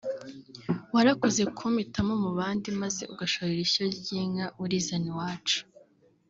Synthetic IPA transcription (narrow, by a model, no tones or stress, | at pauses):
waɾakozekʰumitamo̞muβaːndimaze̞ʔuɡaʃoɾiɾiçoɾɟiːŋauɾizaniwaːt͡ʃu̥